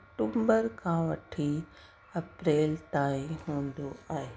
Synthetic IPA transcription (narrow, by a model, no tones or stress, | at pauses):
ɐɐk̚ʈuːmbəɾkʰãʋɐʈʰi | ɐpɾeːlt̪aːĩɦũːnd̪oaːɦeː